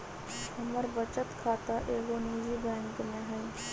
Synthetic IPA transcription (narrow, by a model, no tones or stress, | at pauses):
ɐməɾbət͡ʃət̪kʰaːt̪aʔeːɡoniːd͡ʒibɛ̃ːŋkmẽɦɛ̃